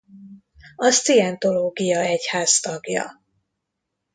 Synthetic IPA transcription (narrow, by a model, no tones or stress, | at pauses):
ɒst̪iɛnt̪o̞loːɡijɒɛchaːzt̪ɒɡjɒ̰